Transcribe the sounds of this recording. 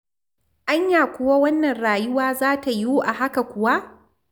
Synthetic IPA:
ʔa˦ɲjaː˨kʷʊ˨wa˦wɐ˦nːɐ˨nɽaː˨jʊ˦waː˦zaː˦ta˨juː˦ʔa˨ɦa˦ka˨kʷʊ˨wa˦ʔ

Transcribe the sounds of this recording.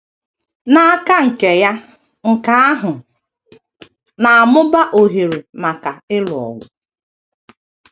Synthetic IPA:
na˨a˦ka˦ŋ̩˨ke˨ja˦ | ŋ̩˨ka˨a˦ɦʊ˨ | na˨a˨mʊ˦ba˦ʔo˨ɦe˨ɾe˨ma˨ka˨ɪ˦lʊ˨ɔ̰˨ɡʷʊ˨˦

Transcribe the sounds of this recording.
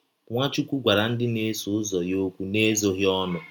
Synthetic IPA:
ŋʷa˦t͡ʃu˦kʷu˦ɡʷa˨ɾa˨n̩˦dɪ˦ne˦sʊ˨˦zɔ˨jo˦kʷu˦ne˦zo˨ɣɪ˦ɔ˦nʊ˨

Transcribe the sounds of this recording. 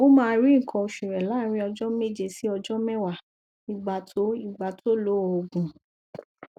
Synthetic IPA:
o˦mãː˧ɾi˦ŋ̩˨kʰɔ̃˧o˧ʃu˨ɾɛ˨la˨˦˨ɾ̃ĩ˦ɔ˧d͡ʒɔ˦me˦˨d͡ʒe˧si˦ɔ˧d͡ʒɔ˦mɛ˦wa˦˨ | ĩ˧˦ɡ͡ba˧tʰo˦i˦˨ɡ͡ba˧tʰo˦lo˨˦ɔ˨o˧ɡũ˨

